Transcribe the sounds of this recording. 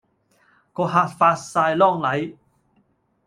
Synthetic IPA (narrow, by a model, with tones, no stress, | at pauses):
kɔ˧haː˧˩t̚faː˧saː˧jlɔ˥˧˩ŋlɐ˨˦j